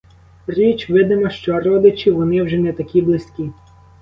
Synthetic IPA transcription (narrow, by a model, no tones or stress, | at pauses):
rʲit͡ʃʋɪd̪ɪmɔʃt͡ʃɔɾɔd̪et͡ʃʲiʋɔnɪwʒɛnɛt̪ɐkʲiblˠɪsʲkʲi